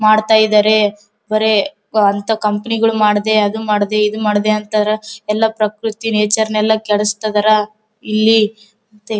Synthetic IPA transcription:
maːɖt̪aːjid̪aːɾe̞ | bɐɾe̞ | ɐnt̪ɐkɐmpɐniɡɐɭumaːɽd̪e̞ɐd̪umaːɽd̪e̞id̪umaːɽd̪eɐnt̪ɐɾɐɛlːɐpɾɐkɾut̪ineːt͡ʃɐɾnɛlːɐkɛɭɐst̪ɐd̪ɐɾɐ | ilːi | ɐnt̪e

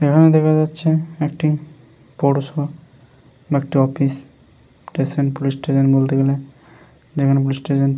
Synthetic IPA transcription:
ekʰaned̪ɛkʰad͡ʑatːʃʰeekʈi | pɔʈso | baek̚ʈiɔpis | ʈesenpolisʈeʃɔnbolt̪eɡele | d͡ʑekʰanep̬ulisʈeʃɔn

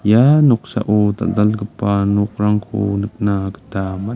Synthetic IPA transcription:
janoqsa̰ʔot̪a̰zalɡəpanuqɾaŋko̰nək̚nakə̥t̪ama

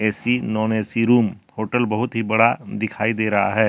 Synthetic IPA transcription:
ɛːsinɔːneːsiɾuːmhoːʈəlbɐɦʊt̪ɦibɐɽad̪ɪkʰaːid̪eːɾɐɦa̰ɦɛː

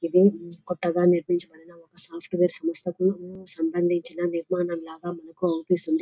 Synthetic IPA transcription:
id̪ikɔt̪ːɐɡaːniɾmiɲt͡ʃɐmɐɽɐnɐɔkɐsaːpʰʈʋeːɾsɐmɐst̪ɐkusɐmbɐnd̪ʱiɲt͡ʃinɐniɾmaːnɐmlaːɡaːmɐnɐkuɐʋɐpisund̪i

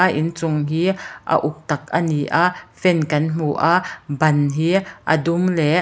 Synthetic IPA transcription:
aʔɪ̰nt͡sʊŋɦiːʔɐ̰ʔʊk̚t̪ɐk̚ʔəniʔaʔfɛnkɐnm̥uʔaʔbɐnɦiːʔɐ̰dumlɛ

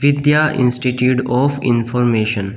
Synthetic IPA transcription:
ʋɪd̪jaːʔɪ̰̃nsʈiʈjuːʈɔːfɪ̰̃nfɔɾmeːʃə̃n

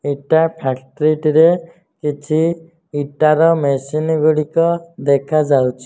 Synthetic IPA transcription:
eʈapʰakʈɔɾiʈɾe | kit͡ʃʰiː | ʈaɾɔmesinɡuɽikɔd̪ekʰad͡ʒawt͡ʃʰi̥

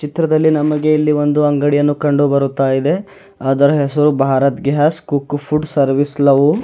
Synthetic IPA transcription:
t͡ʃit̪ɾɐd̪ɐlːinɐmɐɡe̞ilːiʋo̞nd̪uɐŋɡɐɽijɐnːukɐɳɖubɐɾut̪ːaːjid̪e̞ | aːd̪ɐɾɐɦɛsɐɾubʱaːɾɐt̪ɡeɦaskukːpʰuɖsɐɾʋislɐʋu

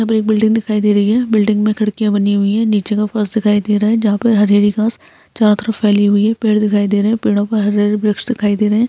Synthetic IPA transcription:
ɦãp̬ɐɾeːk̚bɪlɖɪ̃ŋɡd̪ɪkʰaːid̪eːɾɐiɦɛːbɪlɖɪ̃ŋɡmẽkʰɐɽkijãbɐniɦʊiɦɛːniːt͡ʃekafɐɾsd̪ɪkʰaːid̪eːɾaːɦɛd͡ʒɐɦãpɐɾɦɐɾəːɾikãːs | t͡ʃaːɾãt̪əɾəfːɛːliɦʊiɦɛpeːɽd̪ɪkʰaːid̪eːɾɐɦɛ̃peːɽõpɐɾɦɐɾaɾibɾɪksʃd̪ɪkʰaːid̪eːɾɐɦɛ̃ː

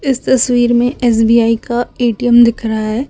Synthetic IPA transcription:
ɪst̪ɐswiːɾmẽʔɛːs̬biːaːikaeːʈijəmd̪ɪkʰɾaɦɛː

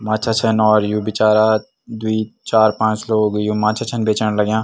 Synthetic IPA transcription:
mãːt͡ʃʰat͡ʃʰənɔːɾjũbɪt͡ʃaːɾa | d̪wit͡ʃaːɾpãːt͡ʃloːɡjũmãːt͡ʃʰat͡ʃʰənbʱeːt͡ʃəɽlɐɡjãː

